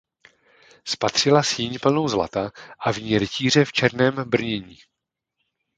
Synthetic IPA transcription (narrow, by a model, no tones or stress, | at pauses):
spat̪r̝̥ɪlasjɪɲpl̩no̞wzla̰t̪aʔavɲiːɾɪciːr̝ɛft͡ʃɛɾnɛːmbr̩ɲɛɲiː